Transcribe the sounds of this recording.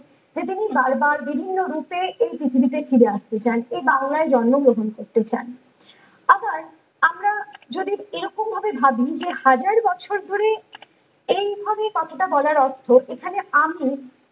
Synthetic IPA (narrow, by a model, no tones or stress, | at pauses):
d͡ʑet̪̬inibaɾbaɾbibʱinːoɾupeejpɾit̪ʰibit̪̬efiɾeaʃt̪et͡ɕanejbaŋlaeɾd͡ʑɔnːoɡɾoɦonkoɾt̪et͡ɕa̰n | abaɾ | amɾad͡ʑod̪ieɾɔkombʱabebʱabid͡ʑehad͡ʑaɾbɔt͡ɕʰoɾd̪ʱoɾe | ejbʱabekɔt̪ʰaʈabɔlaɾɔɾt̪ʰoʔekʰaneami